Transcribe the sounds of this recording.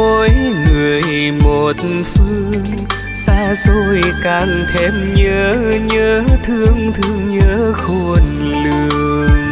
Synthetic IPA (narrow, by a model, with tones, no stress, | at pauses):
o˧˦jŋɨ˨˩əjmo˨˩t̚n̩fɨ˧əŋ | saː˧zo˧˩jkaː˧˩ŋt̪ʰe˧˩mɲəː˨˦ɲəː˧˦t̪ʰɨ˧əŋt̪ʰɨ˧əŋɲəː˧˦xo˧˩n | lɨ˩˨˩əəəŋ